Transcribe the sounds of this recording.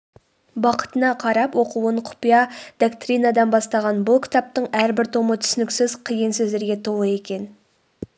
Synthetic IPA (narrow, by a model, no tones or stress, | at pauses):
bɑqə̥t̪ənɑqʰɑɾɑpwo̞quwəɴqʰʊ̥pijɑd̪̥okt̪rinɑd̪ɑnbɑst̪ɑʁɑnbʊlˠkʲʰɪ̥t̪ɑp̚t̪əɴæɾbɪɾt̪ʰo̞mət̪ʰʏ̥sɪnɪksɪzqʰijənsɵzd̪e̞ɾɡʲe̞t̪ʰo̞lˠəe̞kʲe̞n